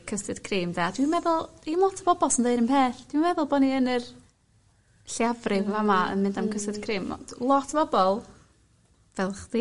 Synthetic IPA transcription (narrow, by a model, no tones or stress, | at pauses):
kʰəstɨd̥kʰriːmdaad̥wimɛðʊlˠd̥imlˠɔtʰəbɔbɔlˠsəndeɨɾənpʰeːɬd̥imɛðʊlˠbɔniənər | ɬiavrɪvɛvamaə̰nmɨndamkʰəstɪd̥kʰriːm̰lˠɔtʰəbɔbɔlˠ | vɛlˠχdi